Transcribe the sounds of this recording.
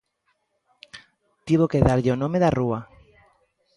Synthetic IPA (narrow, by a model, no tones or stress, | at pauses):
t̪iβokeðaɾʎeonomeðarua